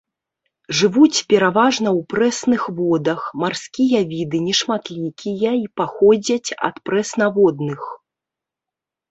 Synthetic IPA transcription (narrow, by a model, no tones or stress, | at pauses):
ʐɨvut͡sʲpʲɛɾavaʐnɐwpɾɛsnɨxvɔd̪ɐxmarskʲijɐvʲid̪ɨnʲɛʂmat̪lʲikʲijɐipaxɔd͡zʲɐt͡sʲɐ̰t̪pɾɛsnavɔd̪nɨx